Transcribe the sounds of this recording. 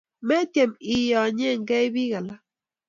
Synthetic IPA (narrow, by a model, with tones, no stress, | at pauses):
mɛ˦t̪e˨mi˨jɔ˨ɲɛ˦˨ŋɡɛ˦i˦βi˦ɣa˨la˦